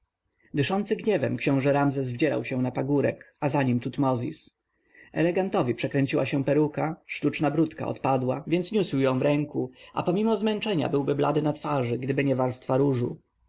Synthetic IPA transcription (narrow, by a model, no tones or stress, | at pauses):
d̪ɘʂɔnt̪sɘɡɲɛvɛmkɕɔ̃w̃ʐɛɾamzɛzvd͡ʑɛɾa̰wɕɛ̃napaɡuɾɛ̰k | azaɲimt̪ut̪mɔzʲḭs | ɛ̰lɛɡant̪ɔvʲipʂɛkɾɛɲʲt͡ɕiwaɕɛ̃pɛɾukaʂt̪ut͡ʂnabɾut̪ka̰ɔ̰t̪pad̪wavʲjɛnt̪sɲuswjɔ̃w̃vɾɛŋkuʔa̰pɔmʲimɔzmɛnt͡ʂɛɲa̰bɘwbɘbla̰d̪ɘnat̪faʐɘɡd̪ɘbɘɲɛvaɾst̪faɾuʐu